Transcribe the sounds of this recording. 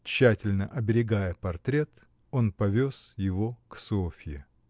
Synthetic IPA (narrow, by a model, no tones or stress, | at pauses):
t͡ɕːætʲɪlʲnəʔɐbʲɪɾʲɪɡajəpɐrt̪ɾʲe̞t̪ | o̞npɐvʲo̞sjɪvoksofʲjɪ